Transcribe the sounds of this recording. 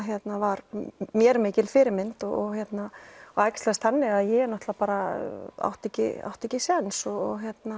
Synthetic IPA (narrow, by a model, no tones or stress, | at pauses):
ɦjɛt̪navaɾmjɛɾmɪːcɪlfɪɾɪɾmɪnt̪ɔɔɣɦjɛt̪naɔɣajkst̪last̪θhanːɪɣaðjɛɛɾnɔht̪lapaːɾaa̰wht̪ɛcɪ̰a̰wht̪ɛcɪsɛnsɔɔɣɦjɛt̪na